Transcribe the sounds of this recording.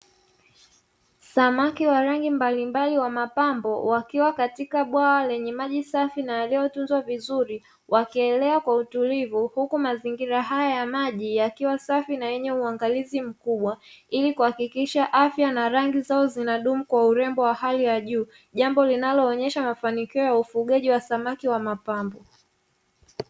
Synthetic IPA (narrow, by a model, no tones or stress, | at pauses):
samakiwaɾaŋɡimbalimbaliwamapambɔwakiwakatikaɓwawalɛɲɛmaʄisafinajalijɔtunzwavizuɾi | wʔakiɛlɛakwautulivuhukumaziŋɡiɾaɦajajamaʄijakiwasafinajɛɲɛuaŋɡalizim̩kuɓwailikuhakikiʃaʔafjanaɾaŋɡizaɔzinaɗumukwauɾɛmbɔwahalijaʄuː | ʄambɔlinalɔːɲɛʃamafanikiɔjaufuɠaʄiwasamakiwamapambɔ